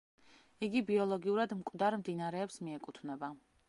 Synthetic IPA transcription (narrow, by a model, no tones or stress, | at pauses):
iɡibiɔlˠɔɡiuɾad̪mkʼd̪aɾmd̪inaɾɛːpsmiɛkʼut̪ʰvnɛba